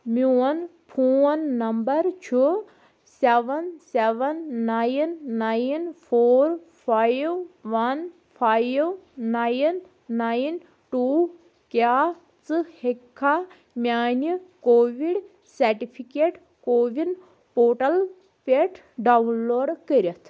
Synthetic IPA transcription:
muɐn | pʰoːnːɐmbɐɾt͡ʃʰu | seʋɐnseʋɐnːajnːajnpʰoːɾ | pʰajʋʋɐn | pʰajʋːajnː | ajn | ʈu | kaː | t͡sɨhekʰːa | mʲjaːnikoːʋiɽ | sɐɾʈipʰikeʈ | koːʋin | poːʈɐl | pʲeʈʰ | ɖawunloːɖkəɾɐt̪ʰ

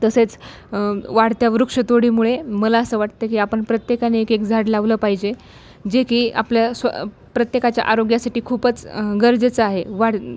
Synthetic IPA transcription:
t̪əset͡s | ʋaɽt̪jaʋɾukʂət̪oɽiːmuɭeməlaəsəːʋaʈt̪əkiːapəɳpɾət̪jekaneekekd͡zʱaɽlaʋləːpaɦid͡ʑe | d͡ʑekiːa̰pljasʋə̰ | pɾət̪jekat͡ɕja̰ʔaɾoɡjasaʈiːkʰupət͡sɡəɾd͡zet͡səaɦeʋaɽ

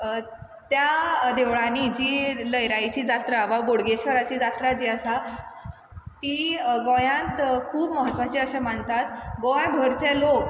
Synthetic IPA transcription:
t̪jad̪eʋɭanid͡ʑiːləjɾajt͡ɕiːd͡zat̪ɾaʋaboɽɡeɕʋəɾat͡ɕiːd͡zat̪ɾad͡ʑiːəsa | t̪iːɡɔjãt̪kʰuːbməɦət̪ʋat͡ɕiːəɕam̤əɳt̪at̪ɡɔjbʱəɾt͡ɕelok

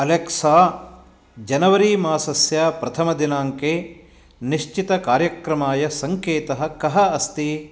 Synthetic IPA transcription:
ɐleksaː | d͡ʒɐnɐʋɐɾiːmaːsɐsjaːpɾɐt̪ʰɐmɐd̪inaːŋkeː | niʃt͡ʃit̪ɐkaːɾjɐkɾɐmaːjɐsɐŋkeːt̪ɐɦɐ̆kɐɦɐɐst̪i

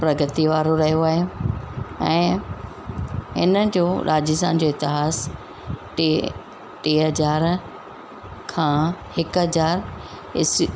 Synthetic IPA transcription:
pɾɐɡət̪iʋaːɾoɾɐɦijoaːɦe | ɛ̃ː | ɦɪ̰nəd͡ʑoːɾʔaːd͡ʑɪst̪a̰ːnd͡ʑoːɪt̪ɪɦaːs | ʈ | ʈeːɦɐzaːɾ | kʰãːhɪkɦɐzaːɾ | ɪs

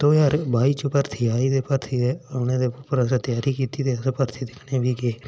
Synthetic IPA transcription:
t̪oːjaːɾbʱaːiːt͡ʃəpəɾt̪ʰiːaːid̪eːpəɾt̪ʰiːeonẽːd̪eːpəɾəsat̪ɪjaːɾiːkiːt̪iːt̪eːəsepəɾt̪ʰiːd̪ɪkʰnẽːbʱiːkeː

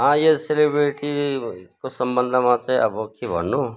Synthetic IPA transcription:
ɦãjeselebɾeʈikosəmbənd̪ʱmãt͡saĩʔə̰bəkibʱʌ̰nːu

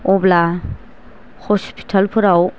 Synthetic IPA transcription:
ɔbla | hɔspʰi̥tʰalpʰuɾaw

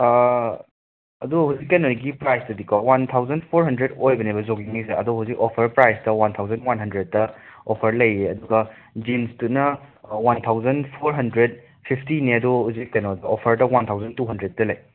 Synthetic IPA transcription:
ɐduhuzikːɐnoɾiɡipɾajstɐdikʰɔwant̪ʰawzɐnpʰoɾɦɐndɾedojbɐnebɐzoɡiŋmiseɐ̰duɦuzikopʰɐɾpɾajstɐwant̪ʰawzɐnwanɦɐndɾed̚ːɐopʰɐɾlɐjeɐduɡɐ | d͡ʒinstunɐ | wantʰawzɐnpʰoɾɦɐndɾed̚ | pʰipʰtiniɐduɦuzikːɐnodɐʔopʰɐɾdɐwant̪ʰawzɐntuɦɐndɾed̚tɐlɐj

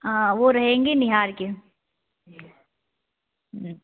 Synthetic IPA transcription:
aʋoɾɐɦẽːŋɡenɪɦaːɾke

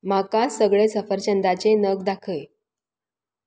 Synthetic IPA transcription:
makasəɡɭesəfəɾt͡ɕənd̪at͡ɕenəɡd̪akʰəj

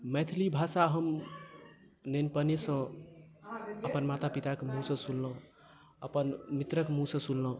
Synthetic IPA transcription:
mɛjt̪ʰlibʱasaɦəm | nenpənesə̃ | əpənmat̪apit̪akemũsə̃sulːə̃ | əpənmit̪ɾəkmũsə̃sulːə̃

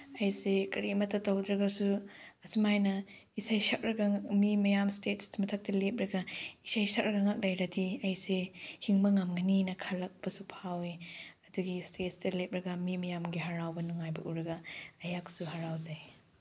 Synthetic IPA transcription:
ɐjsekɐɾimɐtʰːɐtɐwdɾɐɡɐsuɐsumajnɐ | isajsɐk̚ɾɐɡaŋmimɐjamstetsmɐtʰak̚tɐlep̚ɾɐɡɐisajsɐk̚ɾɐɡaŋak̚lɐjɾɐdiɐjsehiŋbɐŋamŋɐninɐkʰalɐk̚bɐsupʰawiɐduɡistet̚stɐlep̚ɾɐɡɐmimɐjamɡiɦaɾawbɐnuŋajbɐʔuɾɐɡɐːjak̚suɦaɾawzaj

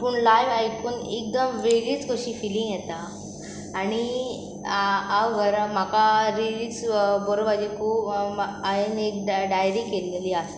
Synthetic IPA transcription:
puɳlajʋajkuːnḛk̚d̪əmʋeliːt͡skʰoɕiːfilĩŋɡjɛt̪aː | ɽ̃i | aʋɡʱəɾm̤akaɾiliːt͡sbɔɾobad͡ʑikʰuːpainekɖajɾikelːeliːas

